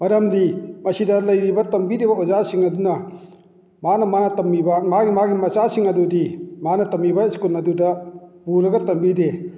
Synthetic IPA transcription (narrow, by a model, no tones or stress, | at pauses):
mɐɾɐmdimɐsidɐlɐjɾibɐtɐmbiɾibɐozasiŋɐdunɐ | manɐmanɐtɐmibɐmaɡimaɡimɐt͡ʃasiŋɐdudimanɐtɐmibɐskunːɐdudɐbuɾɐɡɐtɐmbide